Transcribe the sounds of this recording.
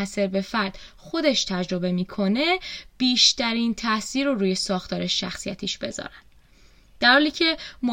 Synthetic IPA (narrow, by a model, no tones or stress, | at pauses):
æse̞ɾbe̞fæɾd̪̥xo̞d̪e̞ʃt̪ʰæd͡ʒɾo̞be̞miːkʰo̞ne̞b̥iːʃt̪æɾiːnt̪ʰæsiːɾoɾuːjesɒːxt̪ʰɒːɾeʃʃæ̰xsijæ̰t̪ʰiːʃb̥e̞̰zɒ̰ːɾænd̪̥ | d̪̥æɾhɒːliːcʰe̞mo